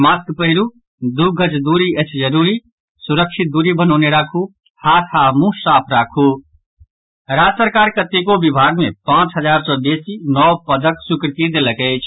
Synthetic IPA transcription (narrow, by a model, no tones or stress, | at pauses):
maskpəɦɪɾu | d̪uɡʱət͡ʃd̪uɾiət͡ʃʰd͡ʒəɾuɾi | suɾəkʃʰit̪̚d̪uɾibənɔːneɾakʰu | hat̪ʰamũsapʰɾaːkʰu | ɾad͡ʒsəɾkaɾkət̪ekobibʱaɡmepãt͡ʃɦəd͡ʒaɾsɔd̪esinɔpəd̪əksukɾk̪id̪eləkəɪt͡ʃʰ